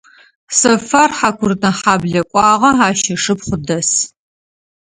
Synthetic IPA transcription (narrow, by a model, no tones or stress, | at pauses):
sɐfarħakʷʰʊrtɐħaːbɮɐkʷʼɑːʁɐaːʃɐʂɨpχʷʊdɐs